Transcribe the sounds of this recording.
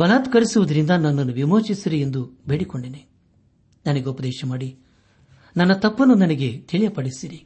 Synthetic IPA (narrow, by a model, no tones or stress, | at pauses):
bɐlaːt̪kɐɾisuʋɐd̪ɐɾind̪ɐnɐnːɐnːuʋimoːt͡ʃisiɾiend̪ubeːɽikoɳɖene | nɐnɐɡeupɐd̪ɛːʃɐmaːɽi | nɐnːɐt̪ɐpːɐnunɐnɐɡe̞t̪ʰiɭijɐpɐɽisiɾi